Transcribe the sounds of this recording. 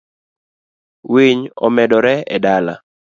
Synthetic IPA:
wiɲɔ̰mɛdɔɾɛɛdala̰

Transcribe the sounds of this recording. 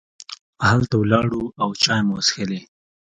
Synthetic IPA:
halt̪awlɑɽuawt͡ʃɑjmwsxele

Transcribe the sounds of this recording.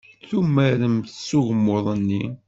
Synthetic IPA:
θumːæɾəmθsːuɣəmːoðˤənːi

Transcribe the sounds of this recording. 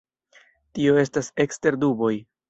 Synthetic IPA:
tio̞e̞stase̞kste̞ɾdubo̞j

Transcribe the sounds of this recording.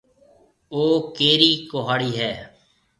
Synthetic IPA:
oːkeːɾiːkoɦaːɽiːɦɛː

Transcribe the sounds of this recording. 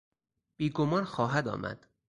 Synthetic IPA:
b̥iːɡomɒːnxɒːɦæd̪ɒ̰ːmʔæ̰d̪̥

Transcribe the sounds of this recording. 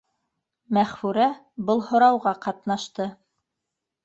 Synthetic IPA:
mæχfʉɾæ | bɤlˠhŏɾɑwʁɑqɑt̪nɑʃt̪ɤ

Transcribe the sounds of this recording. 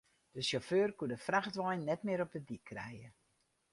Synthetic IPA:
d̥əsoføːrkudəfraxtʋɔjnnɛtmɪəɾɔp̚dədikʰːrɛ̰jə

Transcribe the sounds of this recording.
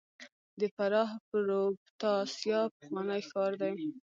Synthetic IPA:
d̪əfaɾɑɦpəɾobt̪ɑsjɑpəxwɑnəjxɑɾd̪aj

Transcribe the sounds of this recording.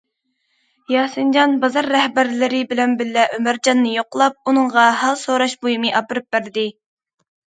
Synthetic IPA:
jɑːsɨnd͡ʒɑnbɑzɑɾːɛhbæɾlɪɾɪbɪlɛnbɪlːɛʔømæɾd͡ʒɑnːɨjoqlˠɑp̚unɨɴʁɑɦɑlˠsoːɾɑʃbojimɨʔɑpɨɾɨp̚bæɾd̪ɪ

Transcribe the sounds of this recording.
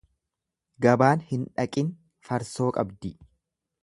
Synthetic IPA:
ɡɐbaːnhɪnᶑɐkʼɪn | fɐɾso̞ːkʼɐbd̪ɪ

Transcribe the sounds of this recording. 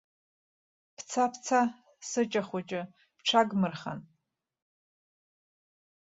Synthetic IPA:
pʰt͡sʰapʰt͡sʰa | sɨt͡ʃʼaχʷat͡ʃʼɪ | pʈ͡ʂʷʰaɡmɨrχa̰n

